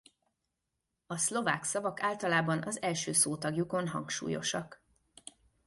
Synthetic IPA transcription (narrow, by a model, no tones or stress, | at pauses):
ɒslo̞vaːksɒvɒkaːlt̪ɒlaːbɒnʔɒzɛlʃøːsoːt̪ɒɡjuko̞nɦɒ̰ŋkʃṵːjo̞̰ʃɒk